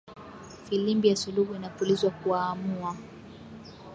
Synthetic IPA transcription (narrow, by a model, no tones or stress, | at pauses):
filimbijasuluhuinapulizwakuaːmua